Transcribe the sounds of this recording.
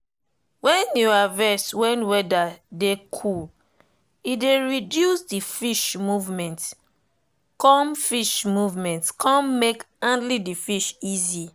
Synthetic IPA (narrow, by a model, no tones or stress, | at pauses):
wɛ̃njuavɛswɛ̃nwɛdadekʰul | ideɹidjusdifiʃmuvmɛ̃nt | kɔ̃mfiʃmuvmɛ̃ntkãmmek | ãndlidifiʃizi